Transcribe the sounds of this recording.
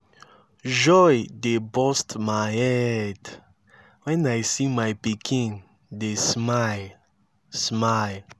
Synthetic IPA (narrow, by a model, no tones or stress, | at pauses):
d͡ʒɔjdebɔstmaɪɛd | wɛ̃naɪsimaɪpikʰĩn | desmal | sma